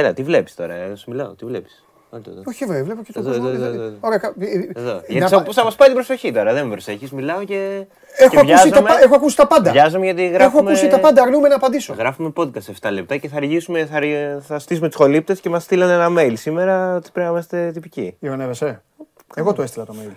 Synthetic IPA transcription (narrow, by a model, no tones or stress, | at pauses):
elɐt̪ivle̞pi̥st̪o̞ɾɐ̰eðosemilɐot̪ivlepi̥s | ɐnt̪ot̪oçievevlepocet̪oðooðooɾekɐeðo̰ʝɐsposɐmɐspɐit̪ibɾoso̞çit̪o̞ɾɐðemibɾoseçizmilɐoce | exoɐvʝɐsit̪ɐmexoɐkusi̥t̪ɐpɐnd̪ɐʝɐzomeʝɐt̪iɣɾexoɐmusit̪ɐpɐnd̪ɐɾnumenɐːpɐnd̪isoɣɾɐfume̞po̞t̪kɐst̪eft̪ɐlep̚t̪ɐce̞θɐɾʝisumeθɐɾθɐst̪is̬ume̞t̪u̥so̞lip̚t̪esce̞mɐst̪ilɐnenɐme̞ilsime̞ɾɐot̪i̥pɾeɐimɐst̪et̪ipicijɐonevese | eɣot̪oest̪ilɐt̪omejl